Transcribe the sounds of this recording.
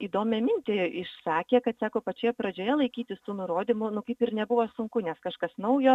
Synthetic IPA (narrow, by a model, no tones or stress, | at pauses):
iːd̪oːmʲɛmʲɪnʲt̪ʲeːɪʃsɑːkʲeːkɐt̪sɑːkoːpɐt͡ʃʲoːjɛpɾɐd͡ʒʲoːjɛlˠɐɪkʲiːt̪ʲɪst̪uːnʊɾoːd̪ʲimʊnʊkɐɪpɪɾnʲɛbʊʋosʊŋkʊnʲɛskɐʃkɐsnɐʊjoː